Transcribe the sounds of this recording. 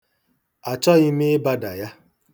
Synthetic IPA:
a˨t͡ʃɔ˦ɣɪ˦mɪ˦ba˦da˨ja˦

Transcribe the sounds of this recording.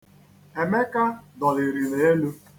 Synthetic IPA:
e˨me˦ka˦dɔ˨lɪ˨ɾi˨ne˨˦e˦lu˦

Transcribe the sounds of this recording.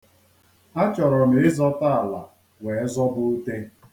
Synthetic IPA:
a˦t͡ʃɔ˨ɾɔ˨m˨˦ɪ˦zɔ˦ta˦a˨la˨ | we˨e˦zɔ˦bʊ˦u˦te˦

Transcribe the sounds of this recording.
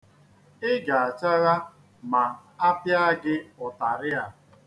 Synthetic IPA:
ɪ˦ɡa˨a˨t͡ʃa˦ɣa˦ | ma˨a˦pja˦ɡɪ˦ɔ˨ta˨ɾɪ˦a˨

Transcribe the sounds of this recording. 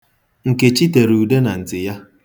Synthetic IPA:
ŋ̩˨ke˨t͡ʃi˦te˨ɾu˨de˦na˨n̩˨tɪ˨ja˦

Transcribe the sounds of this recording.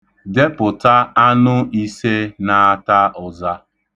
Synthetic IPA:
de˦pʊ˨ta˦a˦nʊ˦i˦se˦na˨a˦ta˦ʔʊ˨za˦

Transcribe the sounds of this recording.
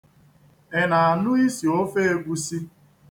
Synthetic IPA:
e˨na˨a˨nʊ˦i˦si˨o˦fe˦e˦ɡʷu˦si˦

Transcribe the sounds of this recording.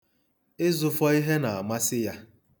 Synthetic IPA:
ɪ˦zʊ˨fɔ˦i˦ɦe˦na˨a˨ma˦sɪ˦ja˦

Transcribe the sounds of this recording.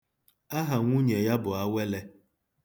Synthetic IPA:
a˦ɦa˨ŋʷu˦ɲe˨ja˦bʊ˨a˦we˦le˦

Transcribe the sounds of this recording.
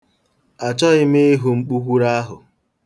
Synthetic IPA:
a˨t͡ʃɔ˦ɪ˦me˦e˦ɦu˨ŋ͡m̩˦k͡pu˦kʷu˦ɾa˦ɦʊ̰˨

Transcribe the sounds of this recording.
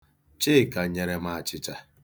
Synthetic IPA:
t͡ʃe˦˨ka˨˦ɲe˨ɾe˨ma˨a˨t͡ʃɪ˦t͡ʃa˦

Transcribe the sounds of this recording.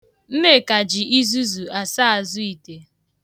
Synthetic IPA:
m̩˦me˦˨ka˨d͡ʒɪ˨i˦zu˦zu˨a˨sa˦a˨zʊ˦i˨te˨

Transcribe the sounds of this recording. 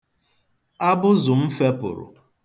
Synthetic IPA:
a˦bʊ˦zʊ˨m̩˦fe˦pʊ̰˨ɾʊ̰˨

